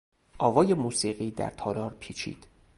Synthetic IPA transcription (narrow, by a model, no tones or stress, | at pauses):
ʔɒːvɒːjemuːsiːɢiːd̪æ̰ɾt̪ʰɒːɾɒːɾpʰiːt͡ʃʰḭːd̪̥